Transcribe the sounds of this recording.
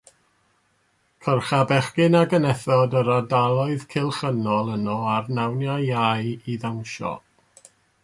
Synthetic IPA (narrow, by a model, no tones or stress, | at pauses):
kʰərχabɛχkɪnaɡənɛθɔdəɾadalˠɔɨðkʰɪlˠχənɔlˠənɔarnawnjajajiðawnʃɔ̰